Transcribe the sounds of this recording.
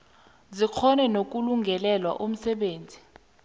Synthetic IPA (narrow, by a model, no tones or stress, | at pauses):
zik͡xʰɔnɛnok̬ʼuluŋɡʱɛlɛlwa̰ʔum̩sɛɓeːnd͡zʱi